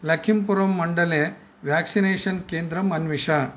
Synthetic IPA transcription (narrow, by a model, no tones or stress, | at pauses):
lɐkʰimpuɾɐmːɐɳɖɐle | ʋjaksineːʃɐnkeːnd̪ɾɐmɐnʋiʂa